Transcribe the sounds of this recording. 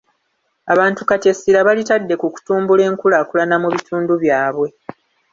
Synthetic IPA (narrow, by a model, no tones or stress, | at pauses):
aβaːntukate̞siɾaβalitadːe̞kuku̥tuːmbule̞ːŋkulakulanamuβitʰuːnduβjaːβwe̞